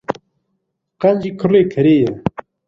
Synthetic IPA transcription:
qand͡ʒiːkʰʊreːkʰɐɾeːjɛ

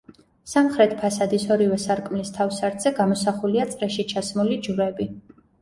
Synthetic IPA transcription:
samχɾɛt̪ʰpʰasad̪isɔɾivɛsaɾkʼmlist̪ʰafsaɾt̪z̥ɛɡamɔsaχuliat̪sʼɾɛʃit͡ʃʰasmulid͡ʒuɾɛbi

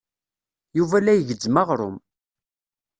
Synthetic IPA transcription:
juvælːæjəʝəd͡zːmaʁɾˤʊ̰m

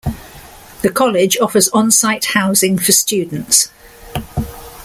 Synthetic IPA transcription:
ðəkʰɒlɪd͡ʒɒfəzɒ̃nsaɪthaʊzɪ̃ŋfəst͡ʃʉːdⁿn̩ts

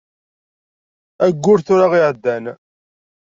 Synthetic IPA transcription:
æɡʷːʊɾθʊɾaʁɪʕd̪ːæn

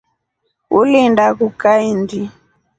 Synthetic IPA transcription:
ulindaɣukaindi

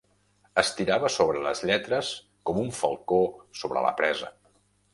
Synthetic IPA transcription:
əst̪iɾaβəsoβɾələzʎɛt̪ɾəs | kɔmuɱfəlˠkosoβɾə̰lə̰pɾɛzə

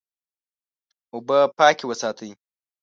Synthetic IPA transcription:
ubəpɑkewəsɑːt̪ʰəj

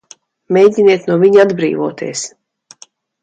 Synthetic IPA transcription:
mʲejɟʲineɛt̪nuɔviɲad̪bɾḭːvuɔt̪iɛs

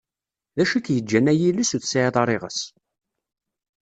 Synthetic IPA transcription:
ðæʃikːjəd͡ʒːænæjilisðsʕeðˤɑɾˤɪʁə̰s

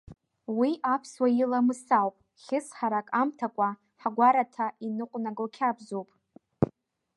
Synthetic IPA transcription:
wiʔapʰswajilamɨsawpʼ | χʲɪsħaɾakʼamtʰakʷʼa | ħaɡʷaɾatʰainɨqʷʼnaɡokʲʰabzowpʼ

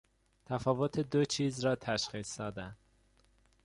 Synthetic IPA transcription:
t̪ʰæfɒːvot̪ʰed̪ot͡ʃʰiːzɾɒːt̪ʰæʃxiːsd̪ɒːd̪æn

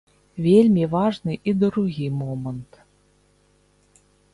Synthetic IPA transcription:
vʲelʲmʲivaʐnɨʔid̪ɾuɣʲimɔmənt̪

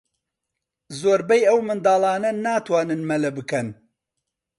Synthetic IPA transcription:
zoːɾbɛjɐwmɨnd̪aːlˠɑːnɐnaːt̪ʰwaːnɨnmɐlɐbɨkɐn

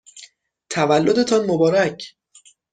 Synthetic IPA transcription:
t̪ʰævælːo̞d̪e̞t̪ʰɒːnmobɒːɾæcʰ

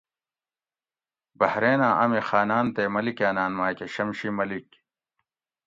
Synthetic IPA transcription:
bɐhɾeːnaːʔɐmexaːnaːnt̪eːmɐlikaːnaːnmaːkeɕɐmɕimɐlik

